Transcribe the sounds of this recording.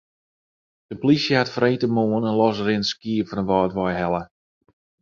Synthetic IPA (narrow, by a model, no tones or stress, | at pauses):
d̥əplisjəhatfreːtəmoːənənlɔs̬rɪnskiəfɔnənʋɔːtʋɔjhɛlˠə